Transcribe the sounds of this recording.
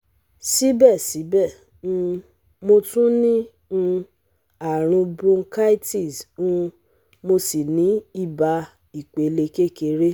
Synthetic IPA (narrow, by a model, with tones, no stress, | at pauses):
si˦bɛ˦˨si˨˦bɛ˦˨ | ũ˧ | mo˧tũ˦nĩ˦ | ũ˧ | a˨ɾ̃ũ˧bõ˧˦ka˦i˦ti˦˨sũ˧ | mo˧si˨nĩ˨˦i˦˨ba˧ | i˨k͡pe˨le˧ke˦˨ke˧ɾe˦